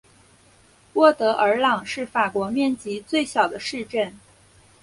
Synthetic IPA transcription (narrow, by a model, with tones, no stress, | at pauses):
wɔ˥˩t̪ɤ˧˥ʔə˞˧˥lɑ˨˩ŋʂɻ̩˥˩fa˨˩kwɔ˧˥mjɛ˥˩nt͡ɕi˧˥t͡swe˥˩ɪɕjɑ˨˩ʊd̪ə˦ʂɻ̩˥˧ʈ͡ʂə˥˩n